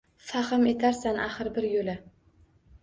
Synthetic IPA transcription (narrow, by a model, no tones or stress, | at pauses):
faχɪme̞t̪ʰaɾsanʔaχɨɾbɪɾjola